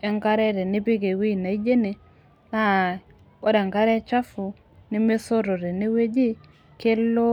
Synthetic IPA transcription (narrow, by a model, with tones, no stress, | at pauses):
ɛ˨ŋka˦ɾɛ˦ɾe˨nɪ˦bɪ˦ɡe˨wi˦˨na˨i˦d͡ʒe˦ne˨ | na˦˨ | o˦dɛ˨ŋka˦ɾɛ˦t͡ʃa˦fʊ˨ | nɪ˦me˦so˦ɾo˨ɾe˨ne˦we˦d͡ʒi˦ | ke˦lo˦